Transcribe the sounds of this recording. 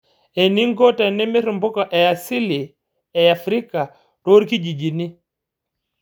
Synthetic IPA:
ɛ˨ni˦ŋɡɔ˦ta˨nɛ˦mɛ˦ɾu˨mbu˦ka˨ʔɛ˨ja˨si˦li˨ | ɛ˨a˨fɾi˦ka˨ | ɾo˦ɾi˦ki˦d͡ʒi˨d͡ʒi˨ni˦

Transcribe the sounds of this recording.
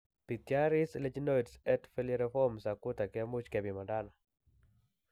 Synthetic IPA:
pi˨tja˦ɾɪ˦sle˦d͡ʒno˦itsɛ˦tfe˦ljeɾɛfɔ˦msa˨kʊ˦ta˨kɪ˦a˦mʊ˦t͡ʃkɛ˨bi˨ma˨nda˦na˨

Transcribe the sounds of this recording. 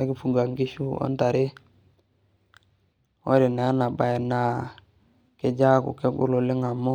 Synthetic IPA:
a˦ki˦fu˨ɡa˨ŋki˦ʃu˦o̰˦n˦ta˨ɾe˦ | wo˦ɾi˨na˨a˦na˨ba˨je˨na˨ | ke˨d͡ʒa˦kṵ˨ke˦ɡṵ˦lo˨le˦ŋa˨mo˦

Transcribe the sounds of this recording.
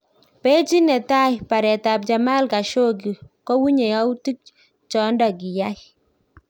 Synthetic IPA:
pe˦t͡ʃi˦nɛ˨ta˦jpa˨ɾɛ˨ta˨p̚d͡ʒa˨ma˦lka˨ʃo˦ɡ̬i˨ko˦wu˦ɲe˨ja˦wti˦k̚ | t͡ʃɔ˦ndɔ˨ɡi˨ja˦j

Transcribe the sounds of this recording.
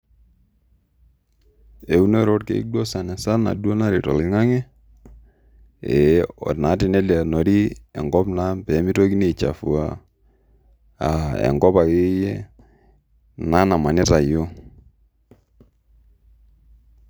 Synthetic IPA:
e˨u˦no˦ɾo˦t̚kḛ˨ḭ˦do˦sa˨nɛ˨sa˦na̰˨du˦o˦na˦ɾi˨tɔ̰˨lɪ˨ŋa˦ŋɛ˦ | ɛ˨ɔ̰˨tna˨˦tɪ˨nɛ˦lja˨no˨ɾi˦ɛ˨ŋɡɔ˦pna˦mpɛ˨˦mi˦to˦ki˦ne˨t͡ʃa̰˨fu˨a˨ | a˨ɛ̰˨ŋɡɔ˦pa˨ke˦jɛ˦ | na˦na˨ma˨nɪ˦ta˨jo˦

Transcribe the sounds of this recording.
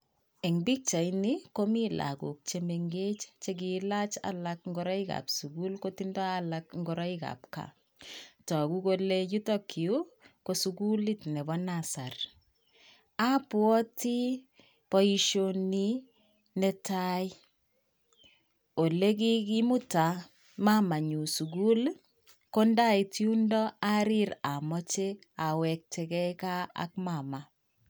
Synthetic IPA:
ɛ˨ŋbi˦k̚t͡ʃa˨iniko˦mila̰kṵ˨k̚t͡ʃe˨meŋɡe˦t͡ʃt͡ʃe˦k̬ilat͡ʃa̰lakŋɡo˦ɾa˦ika̰psu˨ku˦lko˦tindɔ˦alakŋɡɔɾa˦ika̰p̚ka̰ | tɔ˨ku˦ko˦leju˦tɔ˦kiu˦kosukuli˦tnɛ˨bɔnasa˨r | a˦pwɔ˦ti˦ | pɔ˦i˦ʃoni˦ | nɛ˦ta˦j | o˨le˦k̬i˦ki˦mu˦ta˨ | ma˦ma˨ɲu˨su˨ɡu˦l | ko˦nda˦i˨ti˦u˦ndɔ˦a˦ɾi˦ɾa˨mɔ˦t͡ʃe˦ | a˨wɛ˨k̚tʰɛ˨kɛ˦ka˦a̰k̚ma˨ma˨

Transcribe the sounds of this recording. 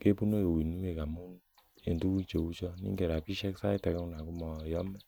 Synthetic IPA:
ke˦pu˦no˦jo˨wi˨nu˦e˨ɡa˨mu˦n˦ | e˨n˦tu˦wu˦t͡ʃo˨wu˦t͡ʃɔ˧nḭ˦e˨ɾa˨pi˦ʃɛ˦ksa˦i˦tɛ˨kɛ˦u˧˦na˨ku˦mɔ˧˨jɔ˦mɛ˦

